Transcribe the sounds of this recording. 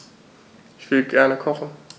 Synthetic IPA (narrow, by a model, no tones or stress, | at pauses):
ʔʔɪçv̥ɪlɡɛɐnəkʰɔχn̩